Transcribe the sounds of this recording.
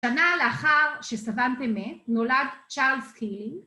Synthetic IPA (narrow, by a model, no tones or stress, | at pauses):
ʃanaleaχaʁʃesavantemetnoladt͡ʃaʁlskiliŋɡ